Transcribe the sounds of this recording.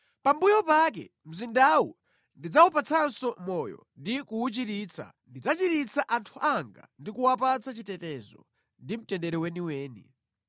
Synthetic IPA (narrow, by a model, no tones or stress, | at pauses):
pambujɔpak̬ɛ̰ | m̩zindawṵ | ndid͡zaupat͡sʰansɔmɔjɔ̰ndikuut͡ʃiɾiːt͡sʰa̰ | ndid͡zat͡ʃiɾit͡sʰaʔantʰuʔaŋɡa̰ndikuwapat͡sʰat͡ʃitɛtɛzɔ̰ | ndim̩tɛndɛɾɛwɛniwɛːnḭ